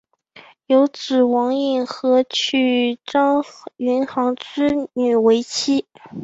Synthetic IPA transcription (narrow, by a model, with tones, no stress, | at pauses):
jo˧˥ʊt͡sɹ̩˨˩wɑ˧˥ŋi˥˩nxɤ˧˥t͡ɕʰy˥˩ʈ͡ʂɑ˥ŋy˧˥nxɑ˧˥ŋʈ͡ʂɻ̩˥ny˨˩we˧˥ɪt͡ɕʰi˥